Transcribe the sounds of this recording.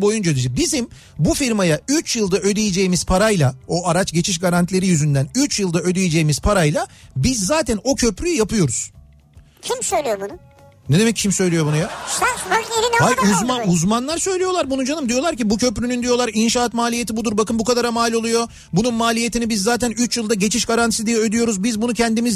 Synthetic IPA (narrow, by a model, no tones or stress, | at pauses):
bo̞jund͡ʒad̪id͡ʒɛbizim | bufiɾmajayt͡ʃjɯlˠd̪aø̞d̪ejed͡ʒe̞jimiz̥pʰaɾajlˠao̞ʔaɾat͡ʃɟe̞t͡ʃʰiʃ̬ɡaɾant̪ʰlʲe̞ɾijyzynd̪ænyt͡ʃjɯlˠd̪aød̪ejed͡ʒe̞jːimiz̥pʰaɾajlˠabizːaːt̪ʰæno̞cʰø̞pɾyjyjapɯjo̞ɾuz̥ | cʰimsøjlʲeijobunʊ | ned̪e̞mɛcːcʰimsø̞jlʲijo̞bunuja | eɾinhajuzmauzmanlˠaɾsø̞jlʲijo̞lˠaɾbunud͡ʒanɯmd̪ijo̞lˠaɾcibucʰø̞pɾynynd̪ijo̞lˠaɾinʃaːt̪maːlʲije̞t̪ʰibud̪uɾbakɯnbukad̪aɾamaːlʲo̞lˠujo̞ | bununmaːlʲije̞t̪ʰinibizːaːt̪ʰænyt͡ʃjɯlˠd̪aɟe̞t͡ʃʰiʃɡaɾant̪i̥sid̪ijɛød̪yjo̞ɾuzbizbunucʰɛnd̪imiz